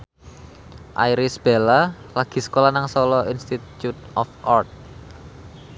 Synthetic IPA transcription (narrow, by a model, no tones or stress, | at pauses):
ʔa̰iɾisb̥ela | laɡ̥i̤sə̥kolanaŋsɔlɔinst̪itjut̪̚ʔɔfʔart̪̚